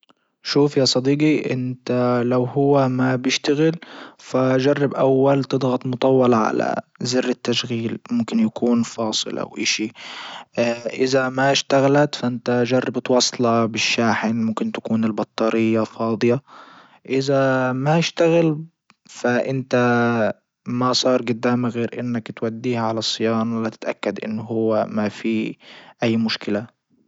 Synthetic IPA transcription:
ʃuːfjasˤɑd̪iːɡiʔɪ̰nt̪alawhʊwːamabjɪʃt̪aɣɪlfad͡ʒɑrˤːɑbʔawːalt̪ɨd̪ɣɑt̪ˤmʊt̪ˤɑwːɑlʕa̰la̰zɪrːɪt̪ːaʃɣiːlmʊmkɪnjakuːnfɑːsˤɨ̰lʔa̰wʔɪ̰ːʃi | ʔɪzamaʃt̪aɣalat̪faʔɪnt̪ad͡ʒɑrˤːɑbt̪wɑsˤːlɑbɪʃːaːħɪnmʊmkɪnt̪ḁkuːnɪlbɑt̪ˤːɑːɾɪjːafɑːd̪ˤɨja | ʔɪzamaɪʃt̪aɣɪl | faʔɪnt̪a | masˤɑːɾˤɡʊd̪ːaːmaɣeːɾʔɪnːakt̪wad̪ːiːhʕalasˤːɪjɑːnwalat̪ɪ̥t̪ʔa̰kːad̪ʔɪ̰nːɦʊwːamafiʔajːmʊʃkɪla

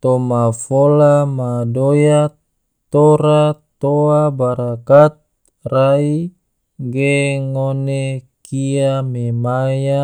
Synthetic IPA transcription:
t̪omafolamadoja | t̪oɾat̪oabaɾakat̪̚ | rai | ɡeŋonekiamemaja

